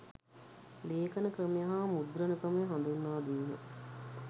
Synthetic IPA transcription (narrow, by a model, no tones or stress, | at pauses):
leːkɐnəkɾəmijɐɦamud̪ɾɐnəkəməjɦand̪unːaːd̪iːnə̰